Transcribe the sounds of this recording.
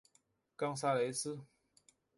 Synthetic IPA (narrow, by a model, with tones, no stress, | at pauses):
kɑ˥ŋs̬a˥˩le˨˧˥ɪs̩˥˨